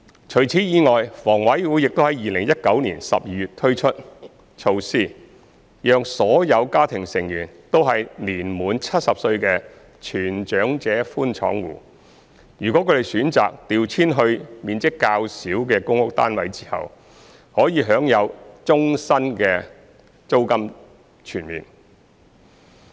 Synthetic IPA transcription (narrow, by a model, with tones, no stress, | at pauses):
t͡ʃʰɵ˨˩ɥt͡sʰiː˨˥jiː˨˧ŋɔː˨jfɔː˨˩ŋwɐ˨˥jwuː˨˥jɪ˨k̚t̪o˥hɐ˨˥jiː˨lɪ˨˩ŋjɐ˥t̚kɐ˨˥wniː˨˩nsɐ̰˨p̚jiː˧jyː˨t̚t̪ʰɵ˥ɥt͡ʃʰɵ˥t̚ | t͡ʃʰo˧wsiː˥˩ | jœː˨˧ŋsɔː˨˥jɐ˨˧wkaː˥t̪ʰɪ˨˩ŋsɪ˨˩ŋjyː˨˩nt̪o˥wɦɐ˨jliː˨˩nmuː˨nt͡sʰɐ˥t̚sɐ˨p̚sɵ˧ɥkɛː˧ | t͡ʃʰyː˨˩nt͡ʃœː˨˥ŋt͡sɛː˨˥fuː˥nt͡ʃʰɔ̰ː˨˥ŋwṵː˨˩ | jyː˨˩kʷwɔ˨˥kʰɵ˨˧d̪e˨˧jsyː˨˥nt͡sa̰ː˨k̚t̪iː˨wt͡sʰiː˥nɦɵ˧ɥmiː˨nt͡sɪ˥kːaː˧wsiː˨˥wkɛː˧kʊ˥ŋʊ˥k̚t̪a̰ː˥nwɐ˨˥jt͡siː˥hɐ̰˨w | hɔː˨˥jiː˨˧ɦœː˨˥ŋjɐ˨˧wt͡sʊ˥ŋsɐ˥nkɛː˧ | t͡so˥wkɐ˥m | t͡ʃʰyː˨˩nmḭː˨˩n